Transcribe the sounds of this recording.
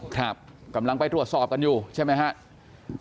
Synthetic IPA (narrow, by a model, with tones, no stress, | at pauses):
kʰɾa˦˥˩p̚ | ka˧˦mla˧ŋpa˧jt̪ɾu˨˩ət̪sɔː˨˩p̚ka˧njuː˨˩t͡ɕʰa˥˩jma˦˥jkʰa˦˥ʔ